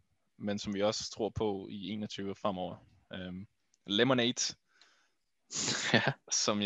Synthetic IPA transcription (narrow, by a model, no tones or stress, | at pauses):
mensɒ̽mʋiɒ̽st͡sʰʁo̝ɐ̰pʰɒ̽ie̝̰ːnɒt͡sʰyːʊəfʁam̰ɒʊ̰ɐ | ø | lemoneːd̥ | sɒ̽m